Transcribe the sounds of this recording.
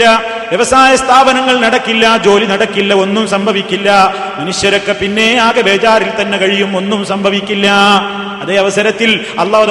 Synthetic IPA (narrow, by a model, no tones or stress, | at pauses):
ɐ | ʋjɐʋɐsaːjɐst̪ʰaːbɐnɐŋːɐɭnɐɽɐkːilːɐd͡ʑo̞ːlinɐɽɐkːilːɐo̞nːumsɐmbʱɐʋikʲːilːɐ | mɐnuʂjɐɾokːepinːe̞aːɣɐbʱeːt͡ɕaːɾilt̪ɐnːekɐɻijumo̞nːumsɐmbʱɐʋikʲːilːɐ | ɐðeːɐʋɐsɐɾɐt̪ːil | ɐlˠːɑːɦð